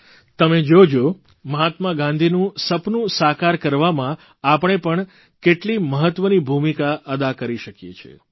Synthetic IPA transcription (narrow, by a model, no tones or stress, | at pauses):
t̪əmed͡ʒod͡ʒo | məɦat̪maɡãnd̪ʱinũsəpnũsakaɾkəɾʋamã | apəɳ̃epəɳ | keʈliməɦət̪ːʋənibʱumikaʔəd̪akəɾiʃəkjḛt͡ʃʰḛ